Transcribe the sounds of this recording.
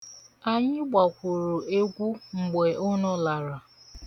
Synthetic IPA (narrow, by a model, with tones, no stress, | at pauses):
a˨ɲɪ˦ɡ͡ba˨kʷʊ˨ɾʊ˨e˦ɡʷu˦ŋ͡m̩˨ɡ͡be˨ʔʊ˦nɔ˦la˨ɾa˨